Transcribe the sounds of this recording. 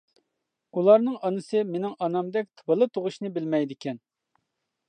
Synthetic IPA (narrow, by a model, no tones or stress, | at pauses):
ulˠɑɾnɨŋɑnɨsɨmenɪŋɑnɑmd̪ɛk̚ʲt̪ʰɨ̥bɨlˠɨt̪ʰoʁʊʃnɨbɪlmɛjd̪ɪkʲʰɛn